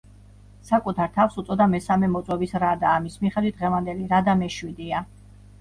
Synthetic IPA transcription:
sakʼut̪ʰaɾt̪ʰafsut̪sʼɔd̪amɛsamɛmɔt̪sʼwɛbisɾad̪aːmismiχɛd̪wit̪̚ʁɛvand̪ɛliɾad̪amɛʃwid̪ia

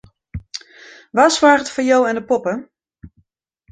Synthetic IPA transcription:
ʋaswaːrətfɔnjowɛndəpɔpə

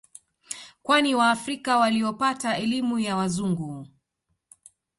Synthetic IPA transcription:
kwaniwaːfɾikawaliɔpataɛlimujawazuŋɡu

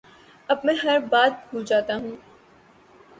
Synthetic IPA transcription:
ɐbmɛ̃ːɦɐɾbaːt̪̚bʱuːld͡ʒaːt̪aɦũː

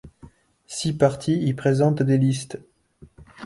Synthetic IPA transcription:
sipaʁt̪ʰiilpχezɑ̃t̪d̪elist̪

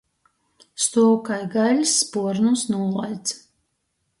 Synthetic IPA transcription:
st̪uɔwkajɡalʲsːpuɔɾnusnuɔlˠajd̪s

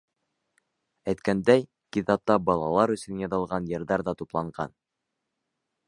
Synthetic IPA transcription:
æjt̪kænd̪æj | kit̪ɑp̚t̪ɑbɑlˠɑlˠɑɾɵ̆sɵ̆njɑðɤ̆lˠʁɑnjɤ̆ɾðɑɾðɑt̪uplˠɑɴɢɑ̰n

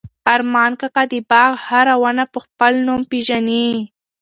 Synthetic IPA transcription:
aɾmɑnkakad̪ibɑɣhaɾawənapəxpəlnumpeʒani

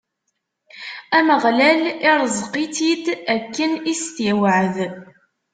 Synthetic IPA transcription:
æməʁlælɪɾˤzˤqit̪id̪ækːənist̪iwəʕəð

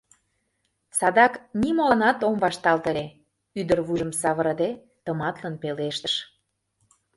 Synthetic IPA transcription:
sɑd̪ɑknimolɑnɑt̪omβɑʃt̪ɑlt̪əle | yd̪ərβuʒəmsɑβəɾəd̪e | t̪əmɑt̪lənpeleʃt̪ə̥ʃ

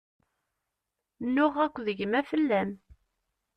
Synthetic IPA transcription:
nːʊʁækʷːðəʝəmæfəlːæm

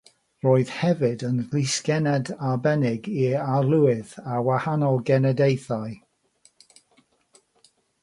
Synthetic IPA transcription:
roːɨð̥hɛvɨdənɡlɪskɛnɛdabɛnɪɡialˠʊɪðawahanɔlˠɡɛnɛdejθaj

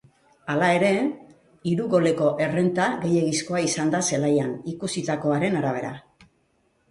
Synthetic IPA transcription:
alae̞ɾe̞ | iɾuɣo̞le̞ko̞ʔe̞re̞nt̪aɣe̞je̞ɣisko̞aisand̪ase̞lajanikusit̪ako̞aɾe̞naɾaβ̞e̞̰ɾa̰

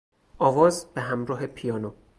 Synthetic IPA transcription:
ʔɒːvɒːzb̥eɦæmɾɒːɦepʰijɒːno

